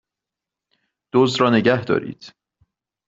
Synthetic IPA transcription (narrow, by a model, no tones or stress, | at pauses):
d̪̥oːzd̪ɾɒːneɟæhd̪ɒ̰ːɾḭːd̪̥